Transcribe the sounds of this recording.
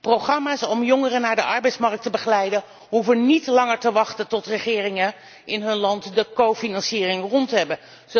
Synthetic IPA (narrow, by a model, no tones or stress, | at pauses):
prowχrɑmaːsɔmjɔŋərənaːɹdəʔɑɹbɛjtsmɑrk̚təbəχəlɛjdən | ɦuvənitlɑŋəɹtəʋɑχtəntɔtrəχɪːrɪŋə | ɪnɦɵnlɑntdəkowfinɑnsiːrɪŋrɔntəɦɛbə